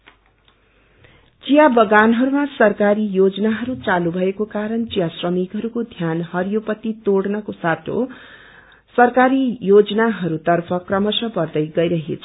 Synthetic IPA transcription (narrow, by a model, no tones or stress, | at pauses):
t͡sijabʌɡanɦʌɾumasʌrkaɾijod͡zʌnaɦʌɾut͡salubʱʌekokaɾʌnt͡sijasrʌmikɦʌɾukod̪ʱjanhʌɾijopʌt̪it̪oɽnʌkosat̪ʰo̰ | sʌrkaɾijod͡zʌnaɦʌɾut̪ʌrpʰʌkrʌmʌsʌpʌrd̪ʌjɡʌjɾʌɦḛt͡sʰʌ̥